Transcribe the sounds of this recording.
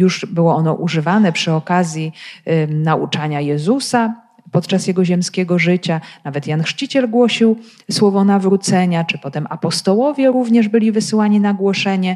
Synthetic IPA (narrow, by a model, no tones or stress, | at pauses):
juʐbɘwɔɔnɔʔuʐɘvanɛpʂɘɔkazʲji | naʔut͡ʂaɲajɛzusa | pɔt̪t͡ʂasjɛɡɔʑɛmskʲɛɡɔʐɘt͡ɕanavɛt̪janxʂt͡ɕit͡ɕɛlɡwɔɕiw | swɔvɔnavɾut̪sɛɲat͡ʂɘpɔt̪ɛmapɔst̪ɔwɔvʲjɛɾuvɲɛʐbɘlʲivɘsɘwaɲinaɡwɔʂɛɲɛ